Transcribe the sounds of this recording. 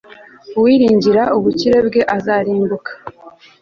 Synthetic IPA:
uwiɾiːɲɟiɾauβuciɾe̞bɡe̞ʔazaɾiːmbukḁ

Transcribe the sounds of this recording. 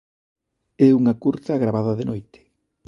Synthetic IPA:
ɛuŋɐkuɾt̪ɐɣɾaβaðɐðenojt̪ɪ̥

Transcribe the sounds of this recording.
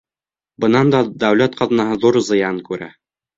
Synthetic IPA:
bɤ̆nɑnd̪ɑd̪æwlæt̪qɑðnɑɦɤðuɾzɤ̆jɑŋkʉɾæ̰

